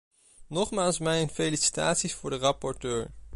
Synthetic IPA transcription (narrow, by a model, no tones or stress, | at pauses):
nɔχmaːlˠsmɛjnfejlisi̥ta̰ːtsisfʊːɹdərɑpɔɹtøːɹ